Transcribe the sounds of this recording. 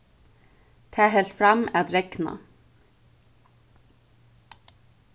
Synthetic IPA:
t̪ʰɑːɦɛlt̪fɾɑmæd̪ɾɛknɑ̰

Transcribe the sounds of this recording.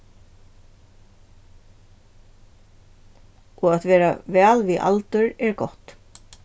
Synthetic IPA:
ɔɣat̪vɛːɾavɛːlviʔa̰lt̪ʏɾɛɾkɔ̰ht̪

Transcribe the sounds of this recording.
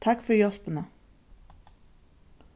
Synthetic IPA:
t̪ʰakːfʏɾjɔspɪna

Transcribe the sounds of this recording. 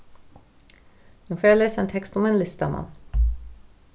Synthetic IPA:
h̪unfoːjaleːsaent̪ʰɛkst̪ɔmeːnlɪst̪ama̰n

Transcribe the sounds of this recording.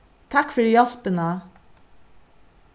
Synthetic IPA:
t̪ʰɑkfɔɖiːɑspənə

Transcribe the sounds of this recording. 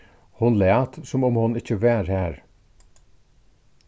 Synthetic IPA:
hʊnlɛːɑt̪sʊmʊmhʊnɪc͡çəʋæːɾhæːɾ

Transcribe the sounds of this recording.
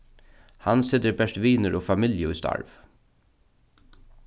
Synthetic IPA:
hɑnsɪt̪əɾbɛʂʈʋiːnəɾʔoːfɑmɪljəʊːst̪ʰɑ̰ɹʋ

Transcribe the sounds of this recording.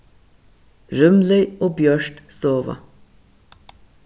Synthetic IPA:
ɾʉmlœʏoːbjœɹʈsoːʋɑ̰

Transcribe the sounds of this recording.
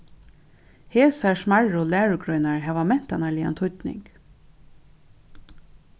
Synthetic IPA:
heːsasmaɹɔːlæːɹəɡɾœʏnaɹɦæːʋamɛn̥t̪analɪːa̰nt̪ʰʊt̪nɪ̰ŋk

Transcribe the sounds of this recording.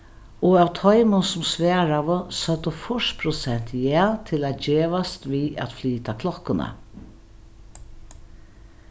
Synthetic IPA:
ɔawt̪ʰɔjmʊnsʊmsʋæːɹaʋəsœt̪əfʊʂpʰɾʊsɛn̥t̪jɛːt̪ʰɪlat̪d͡ʒeːʋast̪ʋiːæ̰t̪fliːt̪akʰlɔkːʊna̰

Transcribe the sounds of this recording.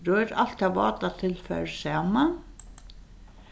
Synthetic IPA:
ɾœːɾalt̪ɑʋɑ̰ːt̪at̪ʰɪlfœ̰ɹsɑːman

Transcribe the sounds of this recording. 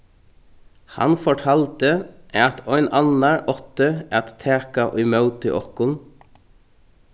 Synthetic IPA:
hɑ̰nfɔʈʰɑːlt̪əʔɑt̪ʰɔʏnɑnəɹʔɔt̪əæt̪t̪ʰeːkɑʔʏmœʊt̪ʰɪʔɔ̰kʊn

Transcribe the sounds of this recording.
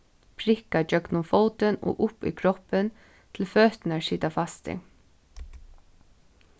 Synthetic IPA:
pʰɾɪkad͡ʒœknʊmfɔlt̪ənɔ̰ːʔʊpḭkʰɾɔpən | t̪ʰɪlfœːt̪naɹsiːt̪afast̪ɪ̰

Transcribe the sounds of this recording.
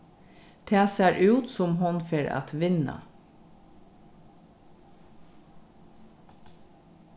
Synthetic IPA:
t̪ʰɛːseːɹʔʉːt̪sʊmɦʊnfeːɹa̰t̪ʋɪna̰

